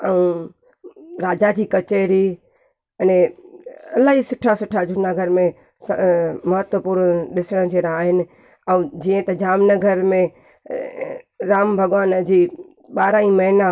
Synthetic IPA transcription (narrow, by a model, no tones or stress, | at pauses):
ɛũ | ɾaːd͡ʑad͡ʑiːkɐt͡ɕeːɾi | ɐnẽ | ɐlaːɦisʊʈʰasʊʈʰad͡ʑʱʊnaɡʱɐɾmẽ | smɐɦət̪wəpuːɾnɗɪsəɽ̃ə̃d͡ʑeːɾaaːɦɪnɪ̆ | ɛũd͡ʑiːə̃t̪ɐd͡ʑaːmnɐɡəɾmẽ | ɾaːmbʱɐɡʋaːnd͡ʑiː | ɓaːɾaĩmɐɦɪna